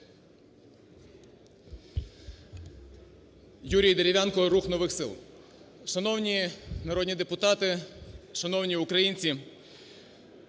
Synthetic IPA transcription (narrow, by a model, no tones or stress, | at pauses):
juɾʲijd̪eɾʲɪʋʲjɑnkɔɾuxnɔʋɪxsɪ̰lˠ | ʃɐnɔwnʲinɐɾɔd̪ʲnʲid̪epʊt̪ɑt̪ɪʃɐnɔwnʲiʊkɾɐjinʲt͡sʲi